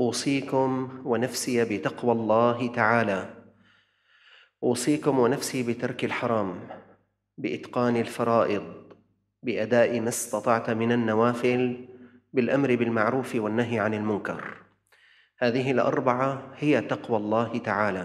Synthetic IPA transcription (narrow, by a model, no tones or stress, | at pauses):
ʔuːsˤiːkʊmwɪnafsɪjabɪt̪ɑqwalˤːɑːɦt̪aʕaːla | ʔuːsˤiːkʊmwɪnafsiːbɪt̪ɑɾˤkalħɑɾˤɑːm | bɪʔɪt̪qɑːnɪlfɑɾˤɑːʔɪd̪ˤ | bɪʔad̪aːʔɪmast̪ɑt̪ˤɑʕt̪mɪnanːawaːfɪl | bɪlʔamɾɪbɪlmaʕɾuːfwanːaɦjʕanɪlmʊnkɑ̰ɾˤ | haːðɪɦɪlʔɑ̰ɾˤbaʕahɪjat̪ɑqwalˤːɑːht̪aʕaːla